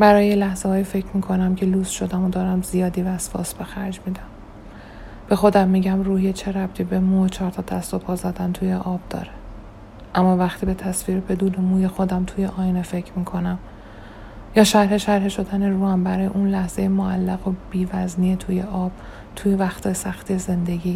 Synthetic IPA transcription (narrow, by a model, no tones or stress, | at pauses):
bæɾɒːjelæhzehɒːjife̞cʰmiːkʰo̞næmcʰe̞luːsʃo̞d̪æmod̪ɒːɾæmzijɒːd̪iːvæːsfɒ̰ːsbe̞xæɾd͡ʒmiːd̪æm | b̥e̞xo̞d̪æmːiːɟæmruːhiet͡ʃʰe̞ɾæb̥̚t̪ʰiːbe̞muːet͡ʃʰɒːɾt̪ʰɒːd̪̥æst̪o̞pʰɒːzæd̪ænt̪ʰujeʔɒːb̥̚d̪̥ɒ̰ːɾe | ʔæmːɒːvæxt̪ʰiːbe̞t̪ʰæsviːɾebe̞d̪uːnemuːje̞xo̞d̪æmt̪ʰujeʔɒːjnefe̞cʰɾmiːkʰo̞næm | jɒːʃæɾhe̞ʃæɾheʃo̞d̪æneruːhæmbæɾɒːjeʔuːnlæhz̥ejemoælːæɣob̥iːvæzniːet̪ʰujeʔɒːb̥ | t̪ʰujevæxt̪ʰɒsæxt̪ʰize̞nd̪e̞ɟiː